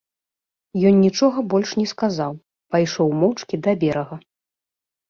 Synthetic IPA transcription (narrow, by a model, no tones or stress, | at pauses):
jɔnnʲit͡ʂɔɣɐbɔlʲʂnʲɛskazaw | pajʂɔwmɔwt͡ʂkʲid̪ɐbʲɛɾɐɣɐ